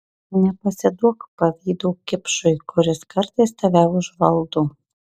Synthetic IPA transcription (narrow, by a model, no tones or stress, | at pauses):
nʲɛpɐsʲɪd̪uɔkpɐʋʲiːd̪oːkʲɪpʃʊjkʰʊɾʲɪskɐɾt̪ɐɪst̪ɐʋʲæːwʒʋɐlˠd̪uː